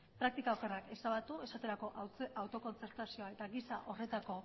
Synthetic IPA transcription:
pɾakt̪ikaoke̞rake̞saβat̪ue̞sat̪e̞ɾako̞ʔawt̪o̞ko̞nt͡se̞ɾt̪asio̞aet̪aɣisaʔo̞re̞t̪ako̞

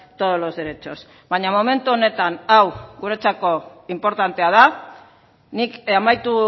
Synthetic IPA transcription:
t̪o̞ðolo̞zðeɾe̞t͡ʃo̞s | baɲamome̞nt̪uo̞ne̞t̪anawɡuɾe̞t͡sako̞impo̞ɾt̪ant̪eað̞a | nikamajt̪u

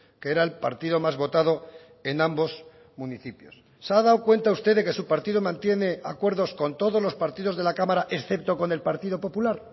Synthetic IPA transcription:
keeɾaelpa̰ɾt̪iðo̞mazβo̞t̪að̞o̞ | e̞nãmbo̞s | muniθipjosːaðaokwe̞nt̪aust̪eðe̞ke̞supaɾt̪iðo̞mãnt̪jene̞akwe̞ɾðo̞sko̞nt̪o̞ðo̞zlo̞spaɾt̪ið̞o̞zðe̞lakamaɾaʔe̞sθe̞p̚t̪o̞ko̞ne̞lpaɾt̪iðo̞po̞pulaɾ

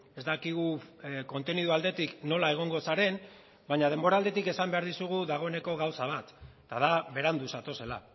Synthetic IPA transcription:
e̞zd̪akiɣ̞uko̞nt̪e̞niðuald̪e̞t̪ikno̞lae̞ɣ̞o̞ŋɡo̞saɾe̞n | baɲað̞e̞mbo̞ɾald̪e̞t̪ike̞sambe̞aɾðisuɣ̞uðaɣ̞o̞e̞ne̞ko̞ɣawsaβ̞at̪ | t̪aðaβe̞ɾand̪usat̪o̞se̞la̰

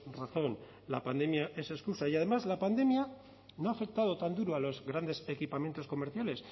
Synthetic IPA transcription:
raθo̞n | la̰pa̰nd̪e̞mjaʔe̞se̞skusaiað̞e̞mazlapand̪e̞mja | noafe̞k̚t̪að̞o̞t̪and̪uɾoalo̞zɣɾand̪e̞se̞kipamje̞nt̪o̞sko̞me̞ɾθjale̞s

